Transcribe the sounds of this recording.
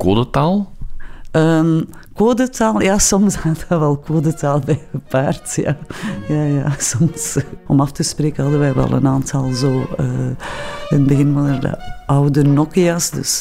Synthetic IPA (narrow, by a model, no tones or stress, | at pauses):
koːdətaːlˠ | əːmkoːdətaːlˠjaːsɔmsataʋɛlˠkoːdətaːlˠbɛjbəpaːrtja̰ːjaːja̰ːsɔmsɔmɑftəspreːkəɦɑdəʋɛjʋɛ̰lˠə̰naːntʰɑlˠzoːə | ənbəɣɪnvɑnərdə̰ʔɑwdənɔkiasdɵ̰s